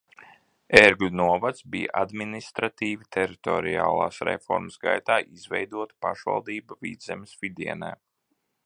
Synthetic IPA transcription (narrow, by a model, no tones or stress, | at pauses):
ɛɾɡunuɔvat̪sbijaʔad̪minist̪ɾat̪iːvit̪ʰɛɾit̪ɔɾia̰ːlˠa̰ːsɾɛ̰fɔ̰ɾmsɡa̰jt̪aːʔizvɛjd̪uɔt̪paʃva̰lˠd̪iːbavḭːd̪zɛmsvid̪iɛnɛ̰ː